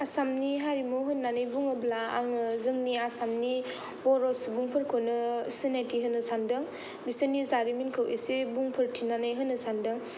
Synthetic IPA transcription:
asamniɦaɾimuɦɯnːanɯjbuŋɯblaa̰ŋɯzɯŋniasamni | bɔɾɔsbuŋpʰɯɾkʰonɯsenatiɦɯnːɯsandɯŋ | bisɯnizaɾiminkʰɯwʔesebuŋpʰɯɾtʰinanɯjɦɯnɯsandɯŋ

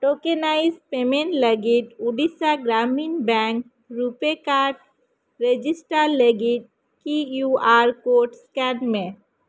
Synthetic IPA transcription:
ʈokenaɪzpemẽɳʈləɡiʈ̪uɖisaɡɾaminbɛ̃ŋk | ɾupekaʈ̚ | ɾed͡ʒisʈaɾləɡiʈ̪̚ | kijuaɾkoːɾʈskɛnmẽ

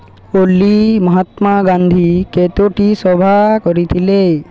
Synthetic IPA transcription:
olːimɔɦat̪maɡãnd̪ʱiket̪oʈisɔbʱakɔɾit̪ʰile

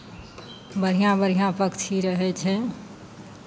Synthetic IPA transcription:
bəɾ̤ijãbəɾ̤ijãpəkt͡ʃʰiɾəɦɛt͡ʃʰɛ

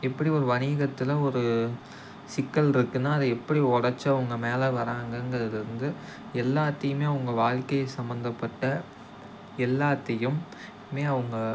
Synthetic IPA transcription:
ɛpːɐɽiɔɾɯʋɐniːɣɐt̪ːɪlɐɔɾɯ | sɪkːɐlɪɾɯkːɯnːaːɐðɐɛpːɐɽiɔɽɐɾt͡ʃːɐɐʋɐŋɡɐmeːlɐʋɐɾaːŋɡɐnɡɐɾɐðɪlɪɾɯnd̪ɯ | ɛlːaːt̪ːɐjɯmeːɐʋɐŋɡɐʋaːɻkɐjɐsɐmbɐnd̪ɐpːɐʈːɐ | ɛlːaːt̪ːɐjɯm | meːɐʋɐŋɡɐ

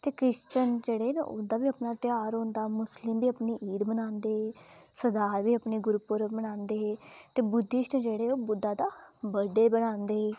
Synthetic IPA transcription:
t̪eːkɾɪʃt͡ʃənd͡ʒeːɽeːna̰ʔoːd̪aːbiːəpnaːt̪ɪjaːɾɦʊ̃ːnd̪aːmʊslɪmbiːəpniːʔiːɾbənãːnd̪eː | səd̪aːɾʋiːəpniːɡʊɾpʊɾbənãːnd̪eːt̪eːbʊd̪ːiʃʈd͡ʒeːɽeːoːbʊd̪ːaːd̪aː | bəɖeːbənãːnd̪eː

